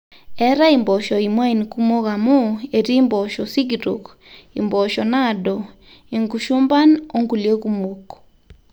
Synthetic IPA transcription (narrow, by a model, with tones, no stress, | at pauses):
ɛ˦ɾa˦i˨mbɔ˨ʃɔ˨i˨mwa˦i˨nku˦mo˦ɣa˨mo˦e˨ɾiː˦mbɔ˨ʃɔ˨si˦ɡiɾo̰˨k | ḭ˨mbɔ˨ʃɔ˨na˦dɔ˨ | i˨ŋɡu˨ʃu˦mba˦no˦ŋɡu˨lje˦ɣu˦mo˨ko̥